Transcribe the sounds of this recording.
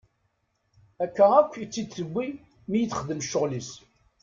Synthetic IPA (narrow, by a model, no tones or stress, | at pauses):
ækːæʁækʷːjit͡sːit̪ːəɡʷːi | mijəθχəd̪əmʃːʊʁlis